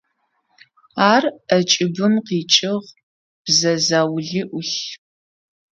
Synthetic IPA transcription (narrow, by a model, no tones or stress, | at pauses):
aːrɐt͡ʃʼɪbɨmqiːt͡ʃʼɪʁ | b̥zɐzaːwɮiʔʊɬ